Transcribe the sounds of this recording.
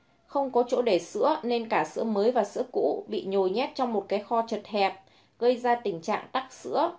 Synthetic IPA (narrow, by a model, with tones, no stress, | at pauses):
xə˧wŋ͡mkɔ˨˦t͡ɕo̰˧˥ɗe˧˩sɨ̰˧˥əne˧nkaː˧˩sɨ̰˧˥əməː˨˦jvaː˨˩sɨ̰˧˥əkṵ˧˥ɓḭ˧˨ɲo˨˩jɲɛ˦˥t̚t͡ɕɔ˧wŋ͡mmo˨˩t̚kaː˨˦jxɔ˧t͡ɕə˨˩t̚hɛ˨˩p̚ | ɣə˧jzaː˧t̪ï˧˩ŋ̟t͡ɕa̰ː˧˨ŋt̪a˦˥k̚sɨ̰˧˥ə